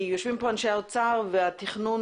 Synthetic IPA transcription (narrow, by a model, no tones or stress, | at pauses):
juʃvimpɔnʃɛlˠt͡saʁvɪat̪ɪχnun